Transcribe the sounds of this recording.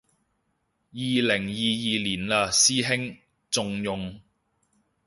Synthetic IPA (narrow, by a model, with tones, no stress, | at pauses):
jiː˨lɪ˨˩ŋjiː˨jiː˨liː˨˩nlaː˧siː˥ɦɪ˥ŋ | t͡sʊ˨˧ŋjʊ˨ŋ